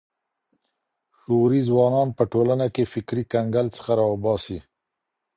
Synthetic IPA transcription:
ʃoɾizwɑnɑnpəʈolanakefɪkɾikaŋɡalt͡sə̥xaɾɑwbɑsi

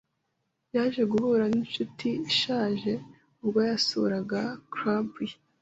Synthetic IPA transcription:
jaːʒe̞ɡuvuːɾaninʃutʰiʃaːʒe̞ | ubɡwojasṵɾaɡakɾabi

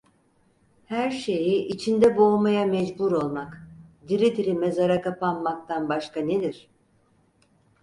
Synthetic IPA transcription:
hæɾʃe̞jiʔit͡ʃʰind̪ɛbo̞majamɛd͡ʒbuɾo̞lˠmakd̪iɾid̪iɾimɛzaɾakapanmak̚t̪ʰanbaʃkane̞d̪iɾ̥

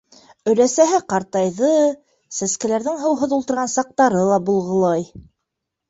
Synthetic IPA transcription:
ɵ̆ɾæsæɦɘqɑɾt̪ɑjðɤ | sæskæ̆læɾðɘŋɦɤ̆wɦɤðulˠt̪ɤ̆ɾʁɑnsɑq̚t̪ɑɾɤlˠɑbulˠʁɤ̆lˠɑj

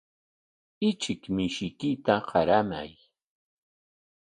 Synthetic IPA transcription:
ɪt͡ʃɪkmɪʃɪkɪt̪aɢɑɾama̰j

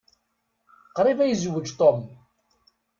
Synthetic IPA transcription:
qɾˤivæjəzwːəd͡ʒt̪ˤom

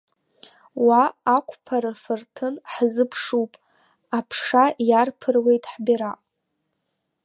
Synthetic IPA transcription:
waːkʷʰʼpʰaɾafɨrtʰɨnħzɨpʰʂupʼ | apʰʂajarpʰɨrwe̞jtʼħbʲiɾa

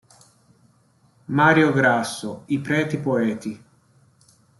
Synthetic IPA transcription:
maːɾjoɡɾasːoipɾɛːt̪ipoɛːt̪i

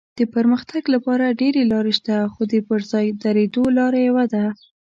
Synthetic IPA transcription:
d̪̥əpəɾməxt̪aɡlapɑɾaɖeɾelɑɾeʃt̪axod̪əpəɾzɑjd̪aɾed̪olɑɾajewad̪a

